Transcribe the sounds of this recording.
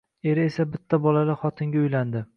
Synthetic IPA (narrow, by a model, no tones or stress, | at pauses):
e̞ɾɪesabɪt̪ʰːabɒlalɪχɒt̪ʰɪŋɡʲaʊjland̪ɪ